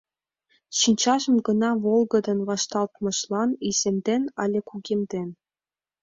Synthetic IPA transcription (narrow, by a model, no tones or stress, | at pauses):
ɕinʲt͡ɕɑʑɤ̆mɡɤ̆nɑvolˠɡɤ̆d̪ɤ̆nvɑʃt̪ɑlˠt̪mɤ̆ʃlˠɑnisʲemʲd̪enɑ̰lʲĕkuɡʲemʲd̪ʲenʲ